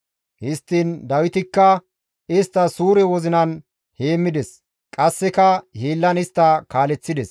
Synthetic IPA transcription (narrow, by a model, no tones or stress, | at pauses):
hɪst̪ːind̪ɐwɪt̪ɪkːɐ | ɪst̪ːɐsuːɾɛwɔzɪnɐn | heːmːɪd̪ɛs | kʼɐsːɛkɐheːlːɐnɪst̪ːɐkaːlɛt͡sːɪd̪ɛs